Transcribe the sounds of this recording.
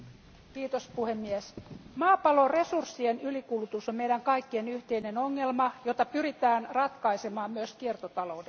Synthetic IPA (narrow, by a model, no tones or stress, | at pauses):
kiːt̪ospuhe̞mːiesmɑːpɑlo̞re̞sursːienylikulut̪usomme̞jdæŋkɑjkːie̞nyht̪e̞ine̞no̞ŋːelmɑjo̞t̪ɑpyɾit̪æːnrɑt̪kɑjsemɑːmmyøskiert̪ot̪ɑlo̞ude